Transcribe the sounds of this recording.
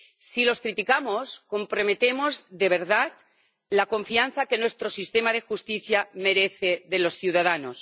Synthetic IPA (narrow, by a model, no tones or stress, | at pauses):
silo̞skɾit̪ikamosko̞mpɾo̞me̞t̪e̞mo̞zðe̞β̞e̞ɾðat̪ | lako̞ɱfian̟θake̞nwe̞st̪ɾo̞sist̪e̞mað̞e̞xust̪iθjame̞ɾe̞θe̞ðe̞lo̞sθjuwðaðano̞s